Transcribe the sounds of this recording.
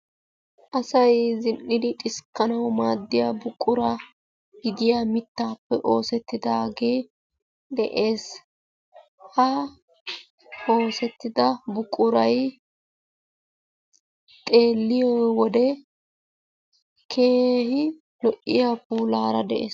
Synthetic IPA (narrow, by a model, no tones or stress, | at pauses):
ʔɐsɐjzɪnːɪd̪ɪt̪ʼɪskːɐnɐwmaːd̪ːɪjabʊkʼːʊɾɐ | ɡɪd̪ɪjaːmɪt̪ːaːpːɛʔo̞ːsɛt̪ːɪd̪aːɡeː | d̪ɛʔe̞ːs | hɐ | o̞ːsɛt̪ːɪd̪ɐbʊkʼːʊɾɐj | t̪ʼe̞ːlːɪjɔwɔd̪ɛ | kʰe̞ːhɪ | lɔʔːɪjapuːlaːɾɐd̪ɛʔḛːs